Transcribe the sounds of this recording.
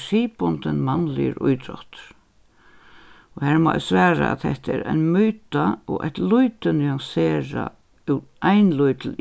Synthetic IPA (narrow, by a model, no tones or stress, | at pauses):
siːpɔnt̪ənmanlɪ̰ə̰ɾʊ̰jt̪ɾɔ̰ht̪ | ɔhɛɹmɔ̰ːsʋɛːɾa̰a̰ðθɛht̪ɛɾa̰ɪnmyːt̪aɔɣa̰ht̪lujt̪ənʏaŋseːɾa | uʔaɪnlujt̪l